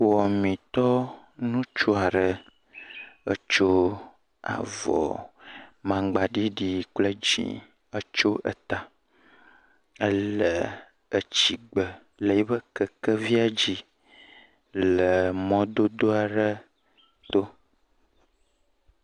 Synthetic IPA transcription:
wɔ˨mĩ˨t̪ɔ˦ | nũ˦t͡ʃo˦a˨ɖə˨ | ə˦t͡ʃo˦ | a̰˨vɔ̰˨ | mã˨ɡ͡ba˨ɖi˦ɖi˨k͡plə˦d͡ʑḭ̃˨ | ə˦t͡ʃo˦ʔə̰˨t̪a˨ | ə˦lə˨ | ə˨t͡ɕi˨ɡ͡bə˨ | lə˨ji˦bə˦kə˨kə˦vi˦a˨d͡ʑi˦ | lə˨mɔ̃˦d̪o˦d̪o˦a˨ɖə˦ | t̪o˦

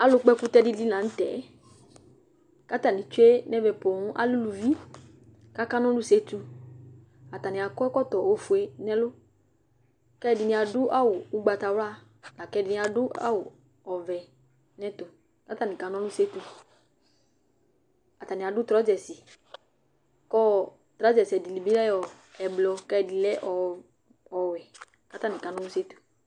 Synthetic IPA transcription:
a˦lʊ˧k͡pɛ˦ku˦t̪ɛ˦di˦li˦nã˨n̩˦t̪ɛ̰˨˦ | ka˦t̪a˨nĩ˨t͡ʃu˦e˦nɛ̃˦vɛ˨po˨ŋũ˦ʔa̰˦lu˦lu˨vi˦ | ka˦ka˦nɔ̃˦lu˦se˦t̪u˧ | a˨t̪a˨nĩ˨a˨kɔ˦ɛ˦kɔ˦t̪ɔ˨wo˦fu˨e˦nɛ̃˦lo˦ | kɛ˦˨di˨nĩ˨a˨dʊ˦ʔa˦wʊ˨u˦ɡ͡ba˧t̪a˧wla˦ | la˨kɛ˦di˨nĩ˨˦a˨ɖʊ˦a̰˦wʊ˨ | ɔ˨vɛ˨ | nɛ̃˦t̪o˨ | ka˦t̪a˦˨nĩ˨ka˨nɔ̃˦lu˦se˦t̪u˧ | a˨t̪a˨nĩ˨a˨ɖu˦t̪ɾɔ˨˦d͡ʒɛ˨si˨ | kɔ˦ | t̪ɾa˨˦d͡ʒɛ˨si˨ɛ˨di˨li˨bi˦lɛ˦jɔ˨ | ɛ˨blɔ˧kɛ˦˨di˨lɛ˦ʔɔ˨ | ɔ˨wɛ˨ | ka˦t̪a˦nĩ˨ka˨nɔ̃˦lu˦se˦t̪u̥˨

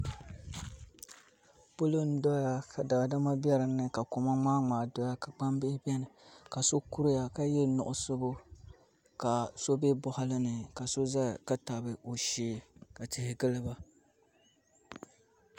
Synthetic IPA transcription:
pʊ˦lo˦n̩˦dɔ˦ja˦ka˨da˨da˦ma˦bɛ˦ɾɨ˨nːɨ˦ka˨ko˨ma˦ŋ͡maː˦ŋ͡maː˨dɔ˦ja˦ka˨ɡ͡ba˦mbɪ˦ɪ˦bʲɛ˦nɨ˨ka˨so˦ku˦ɾʊ˦ja˨ka˦jɛ˦nʊ˨ʔʊ˦sɨ˦bo˦ | ka˨so˦be˦bʊ˦ha˦lɨ˦nɨ˨ka˨so˦za˦˨ka˦ta˨bɨ˨o˨ʃeː˦ka˨tɪ˨hɪ˨ɡɨ˦lɨ˦ba˦

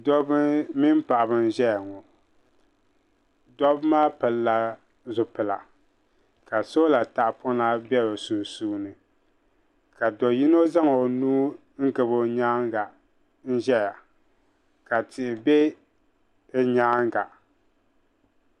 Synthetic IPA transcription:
dɔ˦bɨ˦mɪ˦m˦pa˨ʔa˨bɨ˨n̩˦ʒɛ˦ja˨ŋɔ˨ | dɔ˦bmaː˦pɨ˨lla˨ | zʊ˨pɨ˨la̰˨ | ka˨so˦la˨ta˦ʔpʰʊ˦na˦bɛ˦bo˨su˨suː˦nɨ˨ | ka˨dɔ˨ji˦no˦za˦ŋo˨nuː˦ | ŋ̩˦ɡɨ˨bo˦ɲaː˦ŋɡa˨ | n̩˦ʒɛ˦ja˨ | ka˨tɪ˨ʔɪ˨be˦ | ɛ˦ɲaː˦ŋɡa˨

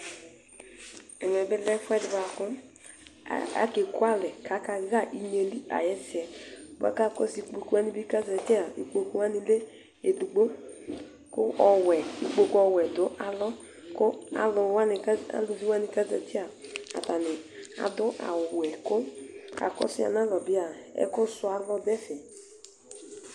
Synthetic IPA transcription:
ɛ˨n˨ɛ˨bɪ˦lɛ˦fɛ˦dba˨kʊ̰˦˨ | a̰˦ke˨kʊ˦a˦lɛ˨kʰa˨˦ka˧˦ɣa˦˨ʔi˨ɲe˨li˦a̰˨jɛ˦sɪ˨ɛ˨ba̰˨ka˦˨kɔ˦si˦k͡po˨ku˦wa˦ni˦bi˦ka˦zɛ˨tɪ˦a˨i˨ko˦ku˦wa˦ni˨le˦ | e˨du˨ɡ͡bo˦ | kʊ˦ʔɔ˧wɛ˨i˨k͡po˧kɔ˧wɛ˨dʊ˨˦ʔa˨lɔ˦ | kʊ˦a̰˨lʊ˧wa˦n˧˦a̰˦lʊ˧zi˦wa˦ni˧ka˦zɛ˨ti˦a˨a̰˨ta˨nɪ˨a̰˨dʊ˦ʔa̰˨wɛ˨kʊ˦a̰˨kɔ̰˦sɪ˦a̰˨na˦lɔ˨bi˦a˨ɛ̰˦kʊ˦sʊ˧a˧lɔ˧dɛ˦fɛ˨

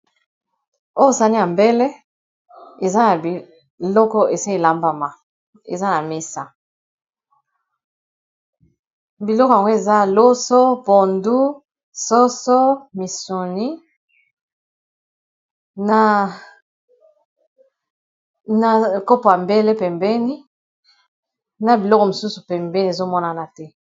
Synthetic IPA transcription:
o˦jo˦sa˦ni˦a˨mbe˦le˦ | e˨za˦na˨bi˨ | lɔ˦kɔ˦e˨sa˦e˨la˦mba˨ma˨ | ḛ˨za˦na˨me˦sa˨ | bi˨lɔ˦kɔ˨ja˨ŋɡo˦e˨za˦lo˦so˦bo˨ndu˦ | so˦sɔ˦mi˨su˨ni˦ | na˦ | na˦ko˦po˨ja˨mbe˦le˦pɛ˨mbɛ˦ni˦ | na˨bi˨lɔ˦kɔ˨mu˨su˦su˨pɛ˨mbɛ˦ni˦e˨zo˦mɔ˦na˦na˦tɛ˦

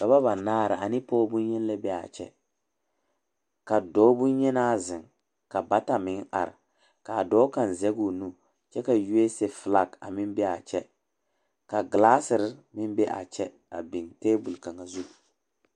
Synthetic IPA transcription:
ka˨βa˦βa˨naː˦ɾɪ˨ʔa˨nɪ˦pɔː˦bʊ˦ɲɛ˦n˦lɛ˦bɛ˦a̰˨t͡ʃɛ̰˦ | ka˨dɔː˨˦bʊ˦ɲɛ˦naː˦zɪ˨ŋ | ka˨ba˦ta˨mɪ˨˦ŋa̰˨ɾɪ̰˨ | ka˨dɔː˦ka˨n˨zɛ˦ɡu˨nu˦ | t͡ʃɛ˦ka˨ju˦e˦se˦fla˦ka̰˨mɪ˦mbɛ˦a˨t͡ʃɛ˦ | ka˨ɡlaː˦sɪ˨ɾɪ˦mɪ˦mbɛ˦ʔa̰˨t͡ʃɛ˦ | a̰˨bɪ˨ŋteː˦bu˨lka˨ŋa˨zu˦˨

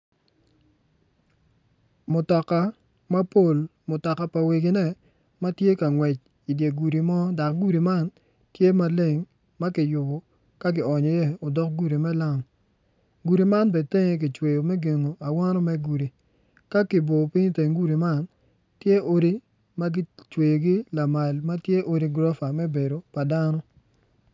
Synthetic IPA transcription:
mʊ˨tɔ˨ka˦ | ma˦po˦˨lmʊ˨tɔ˨ka˨pa˨we˨ɡi˨nɛ˦˨ | ma˦tje˦ka˨ŋwɛ˨t͡ʃ | i˨dje˨ɡu˨ɾi˨mɔ˦da˨kɡu˦ɾi˨ma˦n | tje˦ma˨le˦˨ŋ | ma˦kɪ˨jʊ˨bɔ˨ | ka˦ɡɪ˨ɔ˨ɲɔ˨je˦o˨dɔ˦k̚ɡu˦ɾi˨mɛ˦la˦˨ŋ | ɡu˨ɾi˨ma˦nbe˨te˦ŋe˨k̬ɪ˨t͡ʃwe˨jo˨mɛ˦ɡe˨ŋo˨a˨wa˦nɔ˦mɛ˦ɡu˨ɾi˨ | ka˦kɪ˨bo˨pɪ˦ɲ˦te˨ŋɡu˦ɾi˨ma˦˨n | tje˦o˦ɾi˦ | ma˦ɡɪ˦t͡ʃwe˨jo˨ɡi˦la˨ma˨lma˦tje˦ʔo˦ɾi˦ɡɾɔ˦fa˨mɛ˦be˨ɾo˨pa˨da˦nɔ˦

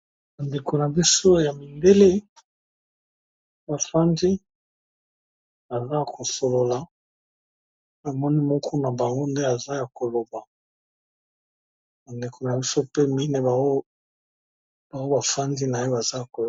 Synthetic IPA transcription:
ba˨nde˨ko˨na˨bi˦so˦ja˨mi˨nde˦le˦ | ba˨fa˦ndi˦ | a˨za˦kʰo˨so˨lo˨la˨ | a˨mɔ˦ni˦mɔ˦kʰɔ˦na˨ba˨ŋɡo˦nde˦a˨za˦ja˨ko˨lo˨ba˨ | ba˨nde˨ko˨na˨bi˦so˦pe˦mi˦ne˨ba˨o˦ | ba˨o˦ba˨fa˦ndi˦na˨je˦ba˨za˦˨ko˨

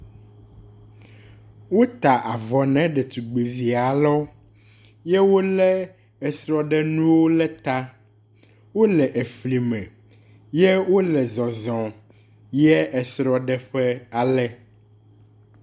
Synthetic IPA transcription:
wo˦t̪a˨ʔa˨vɔ˨nɛ̃˨˦ɖɛ˨t̪u˨ɡ͡be˨vi˨a˨lɔ˦ | jɛ˦wo˦lɛ˦ | ɛ˨sɾɔ˨ɖɛ˦nũ˦wo˦lɛ˦t̪a˦ | wo˦lɛ˨ʔe˨fli˨mɛ̃˨ | jɛ˦wo˦lɛ˨zɔ̃˨zɔ̃˨ | jɛ˦ʔɛ˨sɾɔ˨ɖɛ˦ɸɛ˦a˨lɛ˦

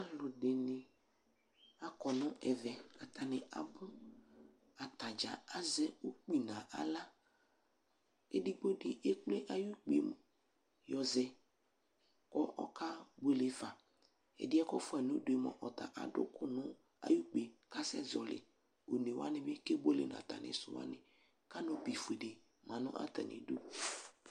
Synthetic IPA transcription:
a˦lʊ˨dɪ˨nɪ˨ | a˦kɔ˨nʊ̃˦ɛ˨vɛ˨ka˨t̪ʰa˨nɪ˨a̰˨bʊ˦ | a˨t̪a˨d͡ʒa̰˨a˦zɛ˦u˦k͡pi˨nã˨ʔa̰˨la˦ | ḛ˦di˦ɡ͡bo˦dɪ˦ʔe˦k͡ple˦ʔa˦ju˦k͡pḛ˨m˨ | jɔ˨zɛ˨ | kɔ˦ʔɔ̰˦kʰa˦be˦lɪ˨va˨ | ɛ̰˨dɪ˦ɛ˦kɔ˦fʊ˦ɛ˨nʊ˦dʊ˨e˨˦mɔ̰˨ʔɔ˨t̪a̰˨ʔa̰˨dʊ̰˦kʊ˦nʊ̃˦ | a̰˦ju˦k͡pe˨ka˦sɛ̰˦zɔ˨lɪ̰˨ | o˨n˨e˨wa̰˦nɪ˦mɪ˦ke˦bo˦lɪ̰˨n˨a̰˨t̪a̰˨nɪ̰˨sʊ̰˨wa̰˦nɪ̃˨ | ka˦nɔ˦pi˨fu˨e˨de˨ | mã˨nʊ̃˦ʔa̰˦t̪a̰˨nɪ̰˨do˦

